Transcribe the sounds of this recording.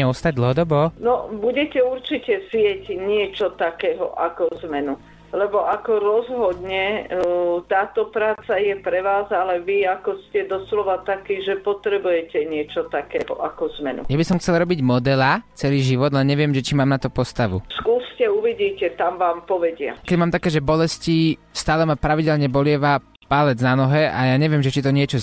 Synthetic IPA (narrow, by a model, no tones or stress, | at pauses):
ɛɔst̪aɟ̚d̪l̩ɦɔd̪ɔbɔːnɔbuɟɛcɛuɾt͡ʃicɛzɪjɛɟɲɪɛt͡ʃɔt̪akɛːɦɔ̰ʔakɔzmɛnu | lɛbɔʔakɔɾɔzɦɔd̪ɲɛ | t̪aːt̪ɔpɾaːt͡sajɛpɾɛʋaːzalɛʋiakɔscɛd̪ɔslɔʋat̪akiːʒɛpɔt̪ɾɛbujɛcɛɲɪɛt͡ʃɔt̪akɛːɦɔ̰ʔakɔzmɛnṵjabisɔmxt͡sɛlɾɔbiɟmɔd̪ɛlat͡sɛliːʒiʋɔd̪lɛnɲɛʋɪɛmʒɛt͡ʃimaːmnat̪ɔpɔst̪aʋṵskuːscɛuʋiɟiːcɛt̪amʋaːmpɔʋɛɟɪa̰kɛɟmaːmt̪akɛːʒɛbɔlɛsci | st̪aːlɛmapɾaʋiɟɛlɲɛbɔlɪɛʋa | palɛd͡znanɔɦɛʔajaːɲɛʋɪɛmʒɛt͡ʃit̪ɔɲɪɛt͡ʃɔ